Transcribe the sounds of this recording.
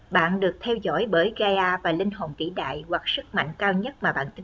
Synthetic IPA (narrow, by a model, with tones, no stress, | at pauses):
ɓa̰ː˧˨nɗɨ˨˩ək̚t̪ʰɛ˧wzɔ̰˧˥jɓəː˨˦jɣaː˧jʔaː˧vaː˨˩lï˧ŋ̟ho˨˩nk̪ḭ˧˩˥ɗa̰ː˧˨jhwa˨˩k̚sɨ˦˥k̚ma̰˧˨jŋ̟kaː˧wɲə˦˥t̚maː˨˩ɓa̰ː˧˨nt̪i˧